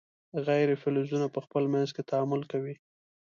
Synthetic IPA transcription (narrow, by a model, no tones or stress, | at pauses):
ɣajɾefɪlʊzunapəxpəlmanzket̪aamʊlkawi